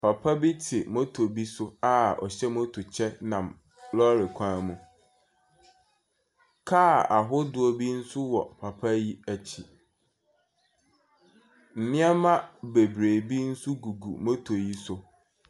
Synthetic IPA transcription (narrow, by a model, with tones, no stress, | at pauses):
pʰa˨pʰa˦bi˦tʰɪ˨mõ˦tʰo˨bi˦sʊ˦a˦ɔ̰˨ɕɛ˦mõ˦tʰʊ˨t͡ɕʰɛ˦nã˨m | lɔ˦ɾɪ˨kʷʰã˦mũ˨ | kʰa˦˨a˨ɦʊ˦dʊ˨o˦bi˦n̩˦sʊ˦wɔ̰˨pʰa˨pʰa˦ji˦æ˨t͡ɕʰi˨ | n̩˨nɪ̃˦a˦mã˦be˨bɾe˨bi˦n̩˦sʊ˦ɡu˨ɡṵ˨mo˦tʰo˨ji˦sʊ˨